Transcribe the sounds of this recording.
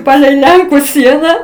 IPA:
ˈpɑːlʲɛɪ ˈlʲɛŋkʊ ˈsʲiɛnɐ

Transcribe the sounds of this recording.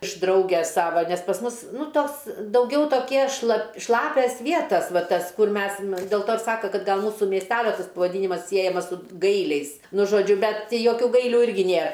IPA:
ɪʃ ˈdrɐʊɡʲɛs ˈsɑːʋɐ ˈnʲɛs pɐs ˈmʊs ˈnʊ ˈtoːs dɐʊˈɡʲɛʊ toːˈkʲiɛ ʃlˠɐ ˈʃlˠɑːpʲɛs ˈʋʲiɛtɐs ˈʋɐ ˈtɐs ˈkʊr ˈmʲɛs ɪr dʲɛlˠ ˈtoː ɪr ˈsɑːkɐ ˈkɐt ɡɐlˠ ˈmuːsʊ mʲiɛsʲˈtʲæːlʲoː ˈtɐs pɐʋɐˈdʲiːnʲɪmɐs ˈsʲiɛjɛmɐs sʊ ˈɡɐɪlʲɛɪs ˈnʊ ʒoːˈd͡ʒʲʊ ˈbʲɛt tʲɪ ˈjoːkʲuː ˈɡɐɪlʲuː ˈɪrʲɡʲɪ ˈnʲeːr

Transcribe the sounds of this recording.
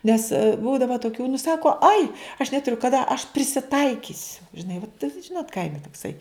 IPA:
ˈnʲɛs ˈbuːdɐʋɐ toːˈkʲuː nʊ ˈsɑːkoː ɐɪ ɐʃ nʲɛtʊˈrʲʊ kɐˈdɐ ɐʃ pʲrʲɪsʲɪˈtɐɪkʲɪsʲʊ ʒʲɪˈnɐɪ ʋɐt ˈʒʲɪnoːt ˈkɐɪmʲɛ toːkˈsɐɪ

